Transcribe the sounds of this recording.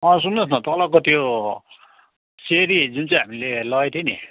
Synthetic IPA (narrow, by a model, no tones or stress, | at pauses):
ʌ̃s̬unːʌsnʌt̪ʌlʌkot̪jo | seɾid͡zunt͡sãɦamilelʌet̪ʰjeni